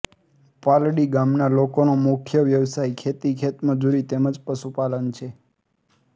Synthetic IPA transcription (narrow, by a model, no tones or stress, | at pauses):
palɽiɡamnalokonomukʰjəʋjəʋsajkʰet̪ikʰet̪məd͡ʒuɾit̪eməd͡ʒpəʃupalənt͡ʃʰe